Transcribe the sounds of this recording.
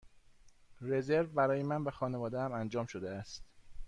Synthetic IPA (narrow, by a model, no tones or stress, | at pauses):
re̞ze̞ɾvbæɾɒːjemænvæxɒːne̞vɒːd̪eæmænd͡ʒɒːmʃod̪eæst̪